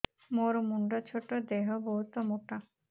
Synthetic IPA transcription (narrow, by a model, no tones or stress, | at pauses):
moɾmuɳɖat͡ɕʰoʈːod̪eɦoboɦut̪omoʈa